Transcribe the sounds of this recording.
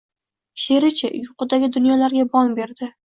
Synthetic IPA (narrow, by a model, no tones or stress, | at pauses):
ʃe̞ɾɪt͡ʃʰɪjʊqɨd̪aɡʲɪd̪ʊnjɒlaɾɡʲabɒmbe̞ɾd̪ɪ